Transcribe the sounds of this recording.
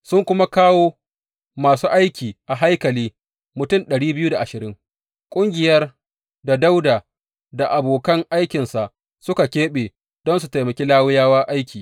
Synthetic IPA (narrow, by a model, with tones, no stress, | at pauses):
sʊ˦ŋkʷʊ˦ma˦kaː˦woː˦ | maː˨suː˦ʔa˦jkʲiː˨ʔa˨ɦa˦jkɐ˨liː˦ | mʊ˨tʊ˦˨mɗɐ˨ɽiː˦bɪ˦ju˦da˨ʔa˨ʃɪ˨ɾɪ˦ŋ | kʷʼʊ˦ŋɡʲɪ˨jɐ˦r | da˨da˦wdaː˨ | da˨ʔa˨boː˨kɐ˦ŋʔa˦jkʲɪ˨nsa˨ʔ | sʊ˦ka˨kʲeː˦ɓeː˨ | d̥ɔ˦nsu˨ta˨jmɐ˨kʲe˦laː˦wɪ˦jaː˦wa˦ʔa˦jkʲʰiː˨